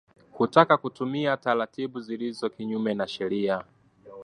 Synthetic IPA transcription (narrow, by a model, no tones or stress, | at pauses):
hutakakutumiataɾatiɓuzilizɔkiɲumɛnaʃɛɾia